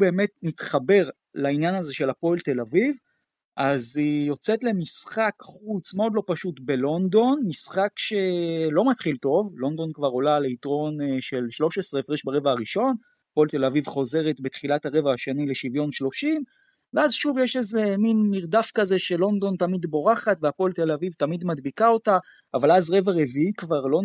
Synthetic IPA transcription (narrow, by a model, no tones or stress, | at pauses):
ube̞ːme̞tnitχabe̞ʁ | lainjanaze̞ʃe̞lapoelte̞laviv | ʔazijo̞t͡setle̞misχakχut͡smeo̞d̪lo̞paʃutbe̞lo̞ndo̞nmisχakʃe̞lo̞matχilto̞vlo̞nd̪o̞nkvaʁo̞laleitʁo̞nʃe̞lʃlo̞ʃesʁeefʁiʃbaʁe̞vaaʁiʃo̞n | apo̞lt̪e̞lavivχo̞ze̞ʁet̪bet̪χilathaʁe̞vahaʃenile̞ʃivjo̞nʃlo̞ʃim | veazʃuvjeʃe̞ze̞minmiʁd̪afkaze̞ʃe̞lo̞nd̪o̞ntamid̪bo̞ʁaχat̪veapolt̪elavivt̪amid̪madbikaotaːvalazʁe̞vaʁe̞viikvaʁlo̞